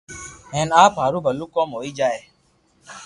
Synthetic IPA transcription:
ɦeːnaːpɦaːɾuːbʱəluːkoːmɦoːiːd͡ʒaːeː

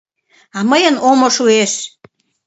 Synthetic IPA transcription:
ɑməjənomoʃueʃ

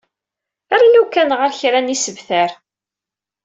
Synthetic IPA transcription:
æɾalukːænʁəɾçɾænisəvθæɾ

